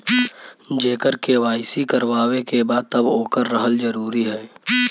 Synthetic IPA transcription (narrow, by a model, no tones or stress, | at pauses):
d͡ʒeːkəɾkeʋaːɪsikəɾwaːwekebaːd̪̚t̪əboːkəɾːəɦəld͡ʒəɾuːɾiɦɛː